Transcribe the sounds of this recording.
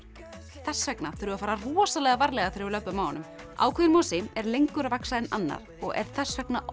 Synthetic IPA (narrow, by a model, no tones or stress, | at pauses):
θɛsːvɛknaθʏɾʏafaːɾarɔːsalɛɣavaɾlɛɣaθɪɾɪlœpːʏmːaːwnʏm | ʔa̰ːwkʰvʏðɪnmɔsɪmɛɾlejŋkʏɾvaksaðɪnanːa̰ɾ̥ | ɔɣɛ̰ɾ̥θɛsːvɛkna